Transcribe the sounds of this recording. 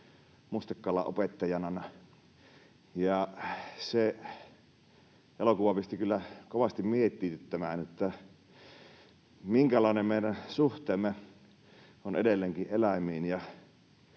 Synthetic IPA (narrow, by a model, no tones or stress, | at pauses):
must̪ɑkːɑːlːɑ̰ʔo̰pet̪ːɑjɑnɑnɑ | jɑse | ʔelokuʋɑpist̪ikylːækoʋɑst̪immiet̪ˑːiːt̪yt̪ːæmæːnet̪ːæ | miŋkælɑˑenemmeˑiɾænsuht̪ˑeːmːe | ʔonḛdelːeːŋkiʔʔelæmˑiːnjɑ